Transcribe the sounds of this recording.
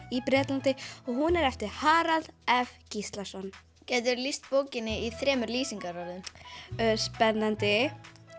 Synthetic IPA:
ipɾɛːt̪lant̪ɪɔɣhunɛɾɛft̪ɪɾ̥haːɾalɛfcist̪lḁsɔnː | cɛːjt̪̬ʏɾlist̪̚poːwcɪnːɪiθɾɛːmʏɾliːsiŋkaɾaɾðʏm | spɛnːant̪ɪ

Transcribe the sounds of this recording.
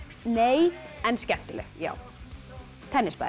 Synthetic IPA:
neːjɛnscɛht̪ɪlɛ̰ja̰ːw | t̪ʰɛnːɪspa̰ː

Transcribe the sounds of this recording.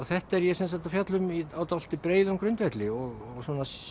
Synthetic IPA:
θɛht̪aɛɾjɛsɛns̬at̪afjat̪lʏmiawt̪al̥t̪ɪpɾeːjðʏmkʰɾʏnt̪vɛht̪lɪɔɣ | ɔɣswɔːnas

